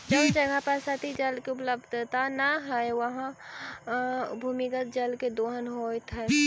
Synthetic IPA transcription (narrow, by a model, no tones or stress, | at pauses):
d͡ʒəd͡ʒəɡʱəpəɾsət̪id͡ʒəlkeʊpləbd̪ʱt̪anəɦəeʋəɦã | bʱuːmikət̪̚d͡ʒəlked̪oːɦənɦojt̪ʰɛ